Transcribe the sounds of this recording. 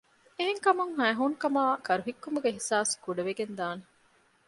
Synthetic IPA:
eɦeŋkɐmuŋɦæːɦuŋkɐmaːkɐɾuɦikːumuɡeɦisaːskuɖɐʋeɡend̪aːne

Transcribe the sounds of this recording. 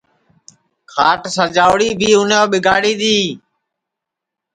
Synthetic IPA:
kʰaːʈsəɾd͡ʒaːʊɽiːbʱiːʊnoːɓɪɡaːɽiːɗ̪iː

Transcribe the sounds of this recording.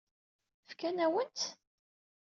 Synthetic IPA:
fkænæwənt̪

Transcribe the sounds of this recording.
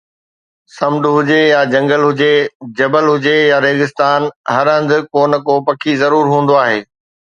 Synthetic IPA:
sɐmɖʊɦʊd͡ʑejad͡ʑɐ̃ŋɡəlɦʊd͡ʑed͡ʑɐbəlɦʊd͡ʑejaɾeːɣɪst̪aːnɦɐɾə̃nd̪ʊ̆koːnə̆kopɐkʰizɐɾuːɾɦũːn̆d̪oaːɦeː

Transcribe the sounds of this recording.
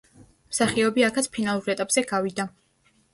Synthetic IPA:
msaχiɔbiakʰat̪spʰinalˠuɾɛt̪ʼapʼz̥ɛɡavid̪a

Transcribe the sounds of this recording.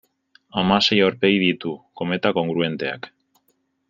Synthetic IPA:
amase̞joɾpe̞jðit̪uko̞me̞t̪ako̞ŋɡɾue̞nt̪e̞a̰k

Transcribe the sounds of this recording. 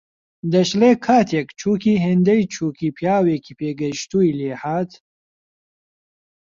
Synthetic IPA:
d̪ɐʃleːkʰaːt̪ʰekt͡ʃʰuːkiːɦend̪ɐjt͡ʃʰuːkipʰjaːweːkipeːɡɐʃt̪uːjleːhaːt̪

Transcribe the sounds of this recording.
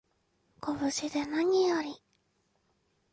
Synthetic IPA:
koβɯ̟ɕid̪e̞naɲ̟ijoɾʲi

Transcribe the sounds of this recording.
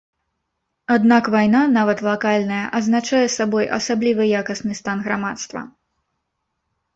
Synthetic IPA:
ad̪nakvajnanavɐt̪lˠakalʲnɐjɐʔɐznat͡ʂajɛsabɔjʔɐ̰sablʲivɨjakɐsnɨst̪anɣɾamat̪st̪vɐ̰

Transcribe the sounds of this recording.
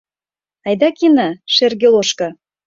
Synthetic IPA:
ɑjd̪ɑkinɑʃerɡʲelˠoʃkɑ

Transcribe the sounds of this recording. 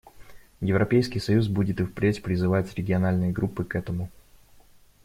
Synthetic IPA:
jɪvɾɐpʲejskʲijsɐjusbudʲɪt̪ɨfpɾʲetʲpɾʲɪzɨvatʲɾʲɪɡʲɪɐnalʲnɨjəɡɾupːɨkɛt̪əmʊ

